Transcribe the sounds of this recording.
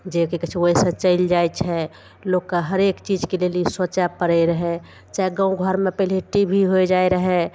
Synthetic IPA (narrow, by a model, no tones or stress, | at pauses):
d͡ʒekekət͡ʃʰoɦesə̃t͡ʃəɪld͡ʒajt͡ʃʰɛ | lokkːaɦəɾekt͡ʃid͡ʒkelelisət͡ʃapəɾəɾəɦɛ | t͡ʃaeɡãũɡʱəɾmepəleʈibʱiɦojd͡ʒaeɾəɦɛ